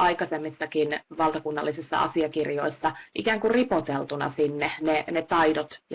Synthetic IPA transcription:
ʔɑikɑsemːisːɑkinʋɑlˠt̪ɑkunːɑ̰lːisisːɑ̰ɑ̰siɑkirjo̰isːɑʔikæːŋkuripot̪elt̪unɑ̰sinːenenet̪ɑidot̪j

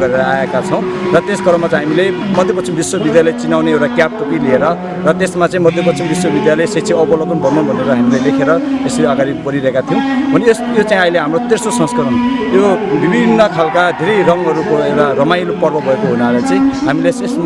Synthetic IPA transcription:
ɡʌɾeɾʌaekat͡sʰʌw̃ | rʌt̪esɡʌɾʌmːat͡saĩɦamilemʌd̪ʱjepʌt͡sʰimbiswʌbid̪jalejt͡sinawneewʈakjap̚ʈokilieɾʌ | rʌt̪esmat͡sãĩmʌd̪ʱjepʌt͡sʰimbiswʌbid̪jalʌejset͡sʰiʌbʌlokʌnbʱʌnunbʱʌneɾʌɦamilejlekʰeɾʌeseʌɡaɾibʌɾiɾʌɦekat̪ʰiũbʱʌnejsjot͡saĩʌileɦamrot̪ersosʌ̃skʌɾʌnjobibʱinːʌkʰalkad̪ʱeɾejrʌŋɦʌɾukoewʈarʌmajɾopʌrbʌbʱʌekoɦunalat͡saĩɦamilesesm

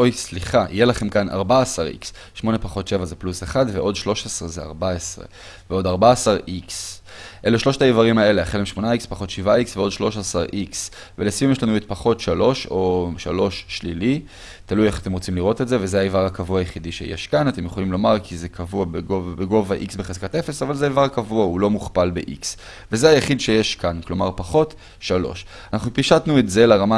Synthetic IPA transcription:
ojsliχaʔḭjelaχe̞mkanʔa̰ʁbaːsaʁḭks | ʃmo̞ne̞paχo̞tʃe̞vazepluseχadveʔo̞dʃlo̞ʃesʁezea̰ʁbaesʁḛ | veo̞daʁbaːsaʁiks | ʔe̞leʃlo̞ʃtaivaʁimae̞leaχelemʃmo̞naikspaχo̞tʃivaiksveo̞dʃlo̞ʃasaʁʔiks | velesviumjeʃlanuet̪̚paχo̞t̪ʃalo̞ʃo̞ʃalo̞ʃːlili | talujeχat̪emʁo̞t͡simliʁo̞tetze̞vezeaivaʁakavuajeχidiʃe̞̰jḛʃkanat̪e̞mjeχo̞limlo̞maʁkʰizekʰavuabeɡoavbeɡo̞vaʔiksbeχezkatefesavalzeaivaʁakavuaulo̞muχpalbe̞̰ʔḭks | vezeajeχid̪ʃejeʃkanklo̞maʁpaχo̞t | ʃalo̞̰ʃ | anaχnupiʃatnuetze̞laʁama

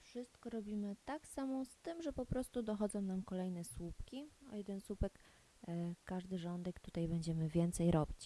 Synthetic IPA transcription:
fʂɘst̪kɔɾɔbʲimɘt̪aksamɔ̃st̪ɘmʐɛpɔpɾɔst̪ud̪ɔxɔd̪zɔ̃w̃namkɔlɛjn̪ɛswupkʲiɔjɛd̪ɛnswupɛk | kːaʐd̪ɘʐɔnd̪ɛkt̪ut̪ajbɛɲd͡ʑɛmɘvʲjɛnt̪sɛjɾɔbʲit͡ɕ

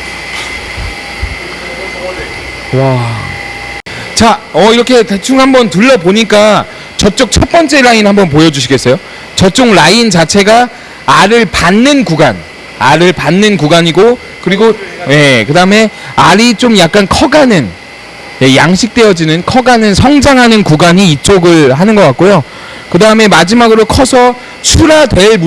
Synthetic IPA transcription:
wa | t͡ɕaʌiɾʌkʰe̞tet͡ɕʰuŋɦambʌntuɭːʌboɲik͈a | t͡ɕʌt͡ɕ͈ʌk̚t͡ɕʰʌp͈ʌnt͡ɕ͈e̞ɾainhambʌnpojʌd͡ʑuɕʰiɡe̞s͈ʌjo | t͡ɕʌt͡ɕ͈oŋɾaint͡ɕat͡ɕʰe̞ɡa | aɾɯɭpanːɯnkuɡan | aɾɯɭpanːɯnkuɡaɲiɡo | kɯɾiɡoje̞kɯdaɯme̞ | aɾit͡ɕomjak̚k͈ankʰʌɡanɯn | je̞jaŋɕʰik̚t͈e̞ʌd͡ʑinɯnkʰʌɡanɯnsʰʌŋd͡ʑaŋɦanɯnkuɡaɲiːt͡ɕ͈oɡɯɭɦanɯnɡʌk͈atk͈̚ojo | kɯdaɯme̞mad͡ʑimaɡɯɾokʰʌsʰʌ | t͡ɕʰuɾadwe̞ɭmu

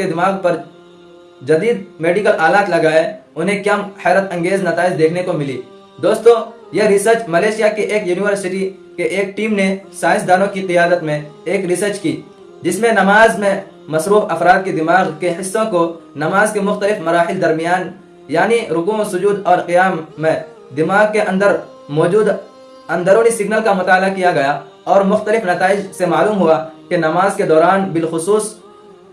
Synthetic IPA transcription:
ed̪ɪmaːɣpɐɾ | d͡ʒɐd̪iːd̪meːɖɪkəlʔaːlaːt̪lɐɡaːɛʊnɦẽkjaːhɛːɾət̪ɐ̃ŋɡeːznɐt̪aːɪd͡ʒd̪eːkʰnekomɪlḭː | d̪oːst̪õː | jeɾɪsəɾt͡ʃmɐleːʃɪjakeʔeːkjuːnɪwəɾsɪʈi | keʔeːk̚ʈiːmnesaːɪ̃sd̪aːnõkiqɪjaːd̪ət̪mẽeːkɾɪsəɾt͡ʃkiː | d͡ʒɪsmẽnɐmaːzmẽ | mɐsɾuːfɐfɾaːd̪̚kid̪ɪmaːɣkeɦɪsːõko | nɐmaːzkemʊxt̪əlɪfmɐɾaːɦɪld̪ɐɾmijaːn | jaːniɾʊkuːosʊd͡ʒuːd̪ɔːɾqijaːmːẽ | d̪ɪmaːɣkeʔɐ̃nd̪əɾ | mɔːd͡ʒuːd̪ | ɐ̃nd̪əɾõːnisɪɡnəlkamʊt̪aːlakijaɡɐja | ɔːɾmʊxt̪əlɪfnɐt̪aːɪd͡ʒsemaːluːmɦʊakenɐmaːzked̪ɔːɾaːnbɪlxʊsuːs

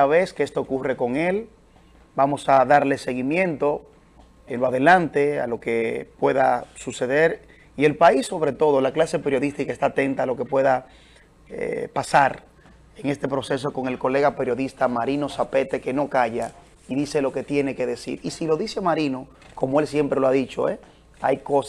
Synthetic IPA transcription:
aβe̞skeest̪oːkure̞ko̞ŋe̞l | bamo̞saðaɾlese̞ɣimjẽ̞nt̪o | enloaðe̞lant̪e̞a̰lo̞kepwe̞ðasuse̞ðe̞ɾ | ie̞lpaisːo̞βɾe̞t̪o̞ðo̞laklase̞peɾjo̞ðist̪ikaest̪aːt̪e̞nt̪aːlo̞ke̞pwe̞ða | ḛpasaɾ | eŋe̞st̪e̞pɾo̞se̞s̬o̞ko̞ŋe̞lko̞le̞ɣape̞ɾjo̞ðist̪amaɾino̞sape̞t̪e̞ke̞no̞kaʝa | iðise̞lo̞ke̞t̪je̞neke̞ðe̞sḭɾisilo̞ðisemaɾino̞ | ko̞moelsje̞mpɾeloaðit͡ʃo̞̰e | a̰jkos

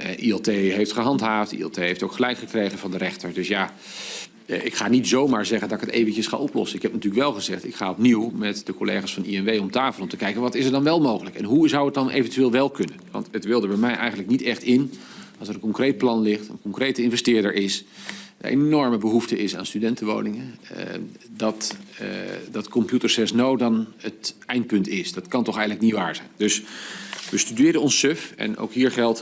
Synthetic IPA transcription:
ɛʔiɛlˠtejɦejftχəɦɑntɦaːftḭɛ̰lˠtejɦejftowkχəlɛjkχəkrejχənvɑndərɛχtəɹdɵsjaː | ɪkχaːnitzowmaːɹzɛχəndɑtɪkətḛjvəncəsχa̰ʔɔplɔ̰sənɪkɦɛp̚natyːləkʋɛlˠχəzɛχtɪkχaːɔpniwmɛtdəkolḛjχaːsfɑnḭɛnʋejɔmtaːfəlˠɔmtəkɛjkənʋɑtɪsəɹdɑnʋɛlˠmowχələkɛ̰nɦuzʌwət̚dɑnʔḛjvəntyʋeːlˠʋɛlˠkɵnənʋɑ̰ntətʋɪlˠdəɹbɛjmɛjʔɛ̰jxχənləknitɛχtɪn | ɑlˠsəɾə̃nkɔŋkrejt̚plɑnlɪχtə̰nkɔŋkrejtəɪnvɛstɪːɹdəɹʔɪs | ḛnɔɹməbəɦuftəɪsa̰ːnstydɛntəʋo̰wnɪŋə | dɑt | dɑtkɔmpjutəɹsɛsnowdɑnətʔɛjnt̚pɵntɪsdɑtkɑntɔχɛjχənləknitʋaːɹzɛjndɵs | ʋəstydɪːɾəɔnsøfɛ̰no̰wkɦiːɹχɛlˠt

